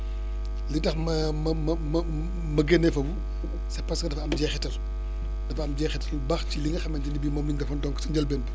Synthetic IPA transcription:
litɐxmɐ | mɐmɐmɐ | mɐɡenːɛfɐbu | sɐpɐskɐdɐfɐɐmɟɛːxɛtɐl | dɐfɐɐmɟɛxɛtɐlbɐxciliŋɡɐxɐmɐnd͡ʒɐnibimɔːmliŋɡɐfɐndɔŋksɐɲd͡ʒɐlbɛnd

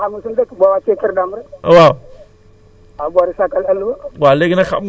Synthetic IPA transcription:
amusundakbʷawat͡ʃekəɾdaməɾwa | abʷaɾisakaləlbawaleɡinaxa̰

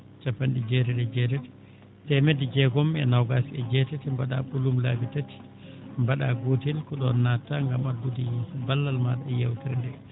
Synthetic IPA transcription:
t͡ʃapːanɗid͡ʒɛtɛɗɛd͡ʒɛtɛti̥ | tɛmɛdid͡ʒɛɡɔmːɛnawɡasiɛd͡ʒɛtɛtimbaɗa̰ɓulumlabitati̥ | mbaɗaɡotilkɔɗɔnːataŋɡamadːudijɛsabalːalmaɗaɛjawtiɾndɛ

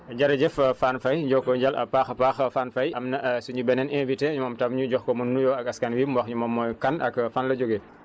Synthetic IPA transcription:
ɟaɾɐɟɛffanfɐjɟɔkːɔɲɟalɐ̰paːxɐpaːxɐfanfɐjʔɐmnɐsuɲubɛnɛnɛ̃ːviteɲumɔmtamɲuɟɔxkɔmunːujɔɐkɐskanwimwɐxɲumɔmːɔjkanʔɐ̰kfanlɐɟoɡe

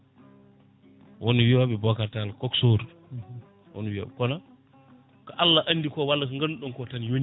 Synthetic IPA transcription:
wonuwiwaɓɛbɔkatalkɔksoɾ | wo̰nwiwa̰ɓɛkɔna | kaʔalːaʔanːdikɔwalːakaŋɡanɗɔnkɔtanjon

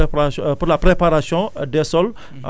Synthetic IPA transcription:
purlapɾepaɾasiɔ̃dɛsɔl

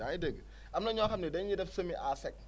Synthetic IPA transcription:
aidəɡ | amnɐɲɔkamnidɛjidɐfsəmiʔasɛk̚

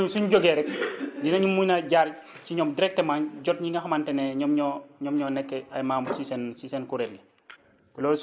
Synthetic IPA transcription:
suɲɟɔɡɛɾɛk̚dinɐɲumːujnaɟaːɾ | ciɲɔmdiɾɛk̚tɛmaːɲɟɔt̚ɲiŋɡɐxɐmantɛnɛɲɔmɲɔɲɔmɲɔnɛkːɛɐjmaːmbusisɛnsisɛnkuɾɛlːi | lɔs

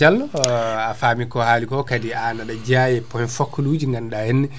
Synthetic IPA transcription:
alafaːmikɔhaːlikɔkadianaɗad͡ʒajɛpɔhɛnfakʰːulud͡ʒiŋɡanɗahɛnɛ

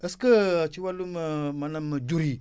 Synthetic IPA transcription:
əskət͡ʃiwalummanamd͡ʒuɾi

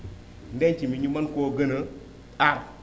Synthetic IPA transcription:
n̩dent͡ʃimiɲimankoɡənə | aɾ

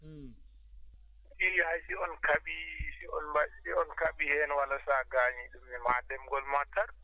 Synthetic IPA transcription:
ʔiɾihajsiɔnkaɓisiɔnbaiɔnkaɓihɛnwalasaɡaːɲiɗumnɛmadɛmɡɔlmataɾ

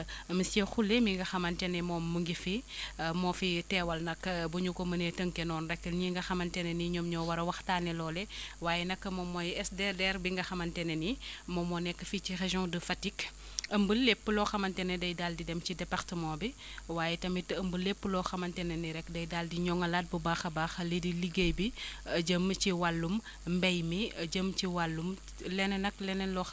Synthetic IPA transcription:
ɐmisɛxulemiŋɡɐxɐmɐntɛnɛmɔːmːuŋɡifimɔfitɛːwɐlnɐkːbuɲukɔmɐnetəŋkɛnɔnrɛkːəlɲiŋɡɐxɐmɐntɛnɛniɲɔmɲɔwɐɾɐwɐxtaːnɛlɔːlɛwaːjɛnɐkːɐmɔmːɔjɛsdɛdɛɾbiŋɡɐxɐmɐntɛnenimɔmɔnɛkːəfit͡ʃireʒjɔ̃dəfatik | əmbəlːepːəlɔxɐmɐntɛnɛdɐjdaldidɛmt͡ʃidɛpartəmãːbi | waːjɛtɐmitəmbəlepːəlɔːxɐmɐntɛnɐniɾɛkːdɐjdaldiɲɔŋɐlat̚bubaxɐbaːxɐlidiliɡejbiɐɟəmciwalːum | mbɛjmiɐɟəmt͡ʃiwalːum | lɛnɛnɐklɛnɛlɔ

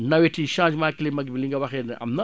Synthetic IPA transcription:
naweʈ͡ʂiʃãd͡ʒmakilemaɡibiliŋɡawaɦena̰mna

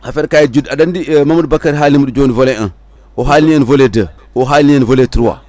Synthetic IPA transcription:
hafeɾkajid͡ʒudadandimamad̚bakaɾɦalimudid͡ʒonivoleən | woɦalinənvoledə | woɦalinənvoletuɾuwa̰

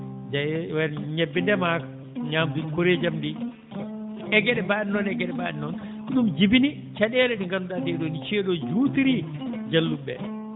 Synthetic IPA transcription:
d͡ʒajwɛnɲɛbːindɛmaka | ɲaːmtukoɾed͡ʒamɗi | ɛɡɛɗɛbaːinɔnɛɡɛɗɛba̰ːɗinɔn | ɗumd͡ʒibini | t͡ʃaɗɛɾɛɗiŋkanuɗatɛɗɔnit͡ʃɛɗɔd͡ʒuːtiɾid͡ʒalːubːɛ̰

